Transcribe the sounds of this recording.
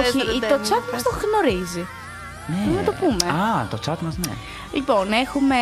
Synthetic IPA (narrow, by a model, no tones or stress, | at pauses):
oçit̪ot͡sɐt̪mɐst̪oɣno̞ɾizi | neenɐt̪opumeat̪ot͡sɐt̪mɐznḛ | lipo̞nexume̞